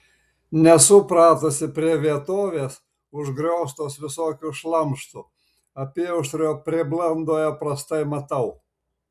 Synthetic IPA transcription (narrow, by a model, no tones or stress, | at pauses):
nʲɛsʊpɾɑːt̪ɐsʲɪpʲɾʲiɛʋʲiɛt̪oːʋʲeːs | ʊʒɡɾʲɛʊst̪oːsʋʲɪsoːkʲuːʃlˠɐmʃt̪u | ɐpʲiɛʊʃt̪ɾʲoːpʲɾʲɪblˠɐnd̪oːjɛpɾɐst̪ɐɪmɐt̪ɐʊ